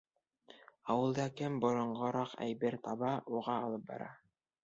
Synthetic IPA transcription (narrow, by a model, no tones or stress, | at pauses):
ɑwɤ̆lˠd̪ɑkɘmbŏɾŏɴɢɤ̆ɾɑqæ̰jbɘɾt̪ɑβɑuʁɑːlˠɤp̚bɑ̰ɾɑ̰